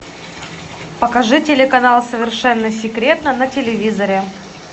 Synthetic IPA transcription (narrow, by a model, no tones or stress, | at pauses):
pəkɐʐɨtʲelʲɪkɐnalˠsəvʲɪrʂɛnːəsʲɪkɾʲe̞t̪nənətʲɪlʲɪvʲizəɾʲɪ